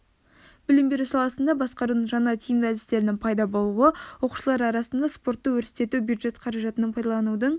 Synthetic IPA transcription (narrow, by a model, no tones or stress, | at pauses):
bɪlɪmbe̞ɾusɑlˠɑsənd̪ɑbɑsqɑɾud̪əɴʒɑnɑt̪ʲʰejɪŋɡ̪ʲæzɪst̪e̞ɾɪnɪŋpʰɑjd̪ɑbo̞lˠuwəwo̞qu̥ʃəlˠɑɾɑɾɑsənd̪ɑspo̞ɾt̪ːəwɵɾst̪e̞t̪ubjud̪ʒe̞t̪qʰɑɾɑʒɑt̪ənəɴpʰɑjd̪ɑlˠɑnud̪əɴ